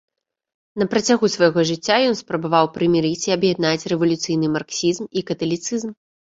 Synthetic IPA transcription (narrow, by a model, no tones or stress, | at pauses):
nɐpɾɐt͡sʲaɣusvɐjɣɔʐɨt͡sʲːajɔnspɾɐbavawpɾɨmʲiɾɨt͡sʲiɐbjɛd̪nat͡sʲrɛvɐlʲut̪sɨjnɨmarksʲizmikɐt̪ɐlʲit̪sɨzm